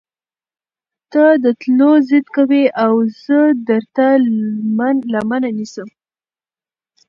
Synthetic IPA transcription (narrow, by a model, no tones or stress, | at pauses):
t̪ad̪ət̪lozəd̪kaweʔawzəd̪əɾt̪amnlamananisəm